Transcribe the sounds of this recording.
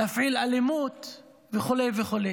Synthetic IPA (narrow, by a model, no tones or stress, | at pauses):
afʕilalemut̪ | veχolejveχole